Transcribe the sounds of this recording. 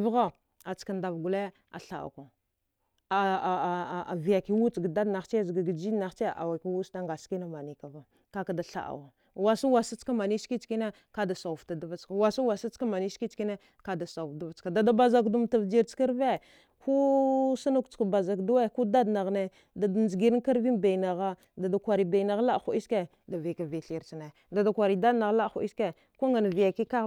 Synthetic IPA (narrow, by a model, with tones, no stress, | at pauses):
vɣa˦˨ | a˨t͡ska˨nda˨vɡu˨le˦ | a̰˨ɬa̰˨a̰˨kʷa˨ | a̰˨vi˨ja˨ki˦wu˦t͡sɡda˦dna˨xt͡ʃe˦˨zɡa˨ɡə˨d͡ʒi˦na˨xt͡ʃe˦a̰˨wa˨ki˦wu˦ta˦ŋɡa˨ski˦na˦ma˨ni˨ka˨va˨ | ka˦ka˨da˨ɬa̰˨ʔa̰˨wa˨ | wa˨sa˦wa˨sa˦t͡ska˦ma˨ni˦ski˦t͡ʃki˦ne˦ | ka˦da˨sa˨u˨fta˨da˦va˦t͡ʃka˨wa˨su˦wa˨sa˦t͡ska˦ma˨ni˦si˦t͡ʃki˦ne˦ | ka˦da˨sa˨u˨fda˦va˦t͡ska˨da˨da˦ba˦za˦kdu˦mta˨vd͡ʒi˦ɾt͡ʃa˦ɾve˦ | kʰu˦sa˦na˦kt͡ʃka˨ba˨za˨kdu˦we˦ku˦da˦dna˨ɣne˦ | da˨dnd͡ʒi˨ɡi˨ɾi˦ka˦ɾvi˦nba˨na˨ɣa˦ | da˨da˨kʷa˨ɾi˨ba˨i˨na˨ɣla˦˨xu˨i˦ske˦ | da˨vi˨ka˨vi˨ɬi˨ɾt͡ʃne˨ | da˨da˨kʷa˨ɾi˨da˦dna˨ɣla˦xṵ˨˦i˦ske˦ | ku˦ŋa˨n˨vi˨ja˨ki˦ka˦